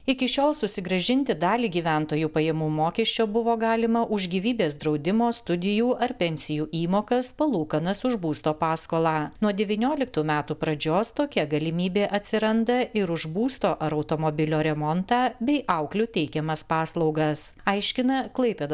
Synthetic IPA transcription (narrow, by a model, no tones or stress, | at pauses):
ɪkʲɪʃʲoːlˠsʊsʲɪɡɾɐʒʲɪnʲt̪ʲɪd̪ɑːlʲiːɡʲiːʋʲænt̪oːjuːpɐjɛmuːmoːkʲɛʃʲt͡ʃʲoːbʊʋoːɡɑːlʲɪmɐʔʊʒʲɡʲiːʋʲiːbʲeːsd̪ɾɒʊd̪ʲɪmoːst̪ʊd̪ʲɪjuːʔɐɾpʲɛnʲsʲɪjuːʔiːmoːkɐspɐlˠuːkɐnɐsʊʒbuːst̪oːpɑːskoːlˠɑːnuɔd̪ʲɛʋʲiːnʲoːlʲɪk̚t̪uːmʲæːt̪uːpɾɐd͡ʒʲoːst̪oːkʲɛɡɐlʲɪmʲiːbʲeːʔɐt̪ʲsʲɪɾɐnd̪ɐʔɪɾʊʒbuːst̪oːʔɐɾɐɒʊt̪omɔbʲɪlʲoːɾʲɛmɔnt̪ɑːbʲɛɪʔɑʊklʲʊt̪ʲɛɪkʲɛmɐspɑːslˠɒʊɡɐsɐɪʃʲkʲɪnɐklˠɐɪpʲeːd̪